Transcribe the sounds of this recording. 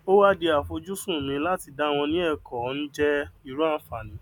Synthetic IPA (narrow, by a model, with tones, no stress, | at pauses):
o˦wa˦de˧a˨fo˧d͡ʒu˦sũ˦˨mĩ˨˧˦la˦ti˧da˦w̃ɔ̃˧nĩ˦ɛ˦˨kɔ˨˦n̩˦d͡ʒɛ˦i˨ɾu˦a˦˨fa˨nĩ˨˦